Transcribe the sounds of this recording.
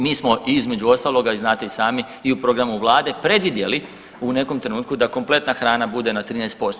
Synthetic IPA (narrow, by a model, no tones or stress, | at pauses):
miːsmo̞iizme̞d͡ʒuo̞st̪aːlˠo̞ɡaiznaːt̪eisaːmi | iupɾo̞ɡɾamuʋlˠaːd̪e̞pɾe̞d̪ʋid̪je̞li | une̞ko̞mt̪ɾe̞nuːt̪̚kud̪ako̞mple̞t̪naxɾaːnabud̪e̞nat̪ɾiːnɛːst̪po̞st̪o